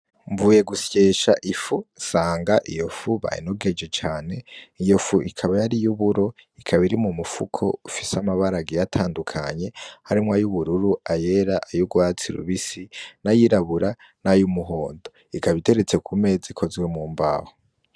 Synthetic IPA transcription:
ɱvuːje̞ɡusjeːʃaʔifusaːŋɡaʔijofuβa̰ḭnoɡe̞d͡ʒe̞t͡ʃaːne̞ijofuʔikʰaβajaɾijuβuɾo̞ikʰaβiɾimumufukʰo̞̰ufisamaβaɾaɡijatʰaːndukʰaɲe̞haɾimŋwajuβuɾuɾuaje̞ɾaʔajuɡwaːt͡siɾṵβisinajiɾaβuɾa | najumuɦo̞ːndo̞ | ikaβite̞ɾe̞t͡se̞kʰume̞ːd͡zikʰo̞zɡwe̞mŋuːmba̰ho

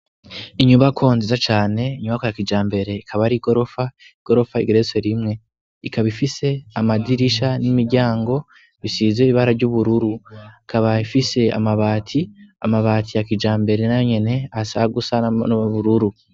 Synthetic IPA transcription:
iɲumbakʰo̞ːnzizat͡ʃaːne̞iɲumβbakojakid͡ʒaːmbe̞ɾe̞ikʰaβaɾiɡo̞ɾo̞fa | iɡ̥o̞ɾo̞faḭɡeɾese̞ɾimŋe̞ | ikaβifise̞amadiɾiʃanimiɾɟaːŋɡo̞ | βisizeiβaɾaɟuβuɾuɾukaβaifise̞a̰maβaːtʰia̰maβaːtʰijakid͡ʒaːmbe̞ɾe̞najɲe̞ne̞asaɡusanβuɾuɾu

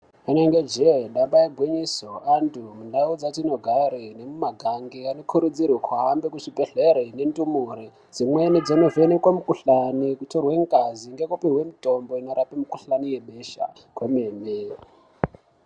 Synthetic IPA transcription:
unaŋɡed͡ʒeɗambaeɡʱwiɲisoandʰumundaud͡zatinoɡʱaɾine̞mumaɡʱaŋɡianokʰuɾud͡zirwikʰwaɦːmbekut͡ʃibʱeɮeɾenendumuɾi | d͡zimwened͡zanovenekwamukuɬanikutorweŋkaziŋɡekupiɦwemitʼo̞mbo̞ino̞ɾapemukuɬanijeɓeʃa̰ | kwemeːme

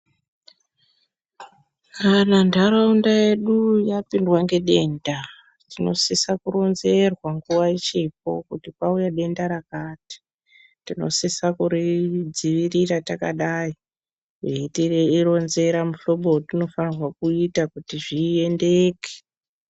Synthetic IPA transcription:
kanandaɾaundaje̞ɗujapindwaŋɡe̞ɗe̞ːnda | tino̞̰sisakuɾo̞nze̞rwaŋɡuwait͡ʃip̚o̞̰kutikaujaɗe̞ndaɾakaːti̥ | tino̞̰sisakuɾid͡ziʋiriɾatakaɗaːi | weitireiro̞nze̞ɾamuɬo̞ɓotino̞fanirwakuitakutiʐie̞ndeːke̥

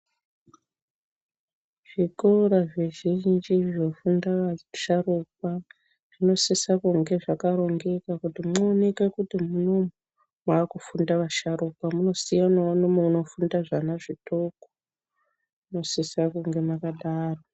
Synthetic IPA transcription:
ʐ̥ikoɾaʐeʒind͡ʒiʐinofundaaʃarup̚a | ʐ̥ino̞sisakuŋɡe̞ʐakaɾo̞ŋɡe̞kakutimnoːne̞kekutimunomo | maːkufundaʋaʃaɾupamuno̞sijanawanomeuno̞fundaʐanaʐitoko̥ | uno̞sisakuŋɡe̞makaɗaːro

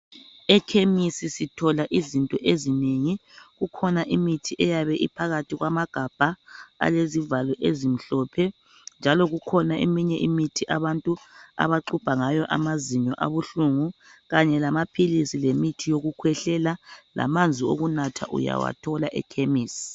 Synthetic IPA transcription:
ɛkʰemisisitʰɔlaʔizintʼɔʔezineŋiɣukʰɔnaʔimitʰiʔɛjaβɛʔipʰaɣatʰiɣwamaɡ̥ʱab̥ʱaa̰lezivalɔʔezim̩ɬɔpʰɛ | nd͡ʒʱalɔɣukʰɔnaʔḛmiɲɛʔimitʰiʔaβantʼua̰βaǃub̥ʱaŋajɔʔa̰maziɲɔʔa̰βuɬuŋuɣaɲɛlamapʰilisilemitʰijoɣukʰwɛɬɛlala̰mand͡zʱio̰ɣunatʰa̰ʔṵja̰wa̰tʰɔlaʔɛ̰kʰemiːsi̥

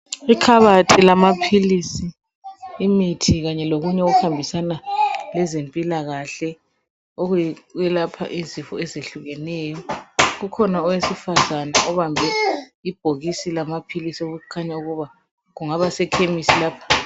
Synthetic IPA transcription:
ikʰaβatʰilamapʰilisiː | mitʰiɣaɲɛloɣuɲɛoɣuhambʱisanalɛzempʼilaɣaɬɛ | oɣɛlapʰa̰ʔizifɔ̰ɛzeɬuɣɛnɛːjɔɣukʰɔnaɔwesifazanaʔɔβambʱɛib̥ʱoɣisilamapʰilisioɣuukʰaɲauɣuβa | ɣuŋaβasɛkʰemisilaːpʰḁ

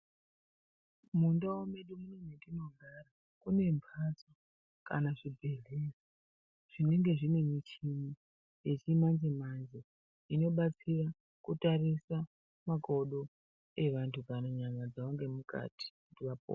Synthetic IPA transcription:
mundawome̞ɗumunemedino̞ɡʱara | kune̞mpʰat͡so | kanaʐibʱeɮesi | ʐ̥ine̞ŋɡe̞ʐine̞mit͡ʃiɲi | jet͡ʃimanzimanzi | ino̞ɓat͡sira | kutarisa | mako̞ɗo | e̞ʋantʰukanaɲamad͡zaoŋɡe̞muka̰ti̥kudiʋapo̰

